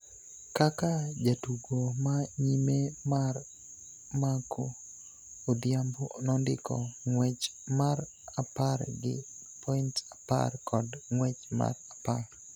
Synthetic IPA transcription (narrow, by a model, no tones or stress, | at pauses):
kakad͡ʒatuɡomaɲimemar | makʰo | od̪jambonɔndɪ̰kʰɔ̰ŋwɛt͡ʃmar | aparɡɪ̰pʰɔɪntapa̰rkʰɔdŋwɛt͡ʃma̰rapar